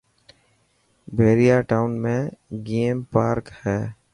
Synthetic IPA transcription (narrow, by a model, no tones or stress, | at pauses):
bʱeːɾijaːʈaːʊnmẽɡeːmpaːɾkhɛː